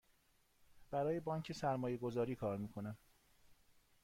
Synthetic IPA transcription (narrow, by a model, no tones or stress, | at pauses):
b̥æɾɒːjebɒːŋcʰe̞sæɾmɒːje̞ɡo̞zɒːɾiːkʰɒːɾmiːkʰo̞næm